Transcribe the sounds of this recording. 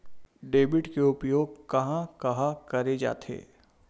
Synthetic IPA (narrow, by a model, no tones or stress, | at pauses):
ɖeːbɪʈkeʊpjoːɡ̚kɐɦãkɐɦãkɐɾed͡ʒa̰ːt̪ʰḛː